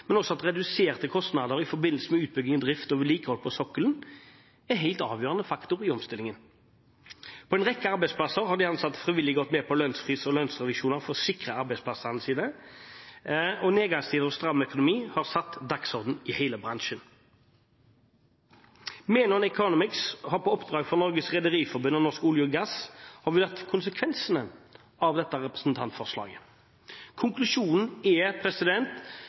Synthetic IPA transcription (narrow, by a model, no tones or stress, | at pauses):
mɛnɔsːɔɑt̪ʁɛd̪ʉseːʁt̪əkʰɔst̪nɑd̪əʁɪfɔʁbɪnl̩səmɛʉːt̪̚bʏɡnɪŋənd̪ʁɪft̪oːʋəliːkəhɔlpʰɔsɔkːələn̩ | ɛɦæɪlt̪ɑːʋjøːʁənəfɑkt̪ʊʁɪɔmst̪ɪlɪŋən | pʰɔɛnʁɛkːəɑʁbɛɪspʰlɑsəʁhɑʁd̪ɪɑnsɑt̪ːfʁɪʋɪlːɪɡɔt̪ːmɛːpʰɔlœnsfʁiːsɔlœnsʁɛʋɪʃuːnəʁfɔʁsɪkʁəɑʁbɛɪspʰlɑsənəsiːd̪ə | ɔneːɡɑŋst̪ʰiːd̪əʁɔst̪ʁɑmːœkʊnʊmiːhɑʁsɑt̪ːd̪ɑksɔʁd̪n̩ɪhæɪləbʁɑŋʃən | meːnəʁnɛkʰɔnʊmɪkshɑʁpʰɔɔpd̪ʁɑːɡfɔʁnɔʁɡəsʁɛd̪əʁiːfɔɾbʉnɔnɔskəʊljʊɡɑshɑʋɪd̪ɑt̪ːkʰʊnsəkʰʋɛnsənə | ʔɑʋd̪ɛt̪ːəʁɛpʁəsn̩t̪ʰɑnt̪fɔʁslɑ̰ːɡə | kʰʊŋklʉʂuːnn̩ɛpʰɾɛsɪd̪ɛnt̪